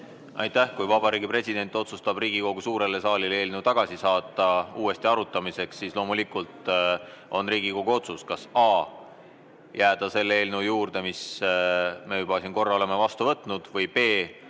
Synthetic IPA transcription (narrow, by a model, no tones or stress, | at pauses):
ɑ̰jt̪ːˑæhkujvɑbɑɾiːɡipre̞sʲid̪̥e̞nt̪ːˑo̞t̪sust̪ɑb̥riːɡ̥iko̞ɡ̥usuːɾe̞lːe̞sɑːlilee̞ːlnewt̪ɑɡ̥ɑsisɑːt̪ːˑɑuːe̞st̪iɑɾut̪ːˑɑmise̞ksiːslo̞ːmulikːult̪ | o̞nriːɡ̥iko̞ɡ̥uo̞t̪suskɑsɑː | jæːd̪̥ɑse̞lːee̞ːlnujuːrd̪̥e̞mis | me̞jubɑsinko̞rːɑole̞me̞vɑst̪uvɤt̪ːˑnud̪̥vɤjbe̞ː